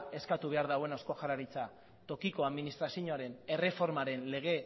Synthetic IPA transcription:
e̞skat̪uβ̞e̞aɾðawe̞nosko̞xaɾaɾit͡sa | t̪o̞kiko̞aðminist̪ɾasjoɲoaɾe̞ne̞re̞fo̞ɾmaɾe̞nle̞ɣ̞e̞

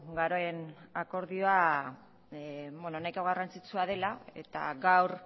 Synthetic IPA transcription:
ɡaɾoenako̞ɾðio̞a | benonajkoɣarant͡sit͡suað̞e̞lae̞̰t̪a̰ɡawɾ

